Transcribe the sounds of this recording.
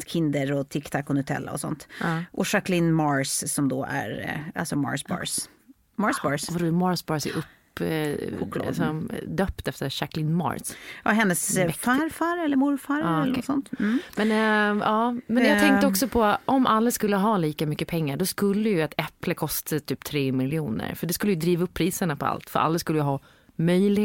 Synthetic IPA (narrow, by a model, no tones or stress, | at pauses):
kʰɪnd̪əɾɔt̪ʰɪkt̪ʰakːɔnhʉt̪ʰɛ̰lːa̰ɔ̰sɔ̰nt̪ːʔɔʂaklɪnmɑɾssɔmd̪o̰ːæ̰ɾa̰lsɔmɑ̰ɹsbɑ̰ɹs | mɑsbɑɹsvɾɔmɑɾsbɑɾsɛ̰ʔɵp | sɔmd̪øːpt̪ɛft̪əɾʂaklɪnmɑ̰ɾsaɦɛnːəsfaɾfaɾɛlːəɾmʊɾfaɾːnsɔnt̪̩mɛnɑːmɛnjɑɛŋkt̪əɔksɔpʰɔʔɔmʔalːaskɵlːəɦɑːliːkamʏkːəpʰɛŋːaɖɔskɵlːəjɵat̪ɛpləkʰɔst̪ʰat̪ʰyːp̚t̪ʰɾeːmɪljɪuːnə̰ɾfœɖɛskɵlːəjɵd̪ɾiːvaɵpʰːɾiːsəɳapʰɔa̰lt̪fœ̰ɾʔa̰lːaskɵləjəɦɑː | mœjlɪ